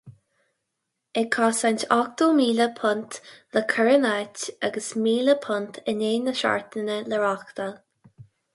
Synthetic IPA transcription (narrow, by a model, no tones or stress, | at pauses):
ɛkʰɔːsantɔk̚t̪oːmiːləpʰʊnt̪ləkʰəɹənataɡəsmiːləpʰʊnt̪ʰəneːnəʃa̰ɹt̪ənələɹakt̪al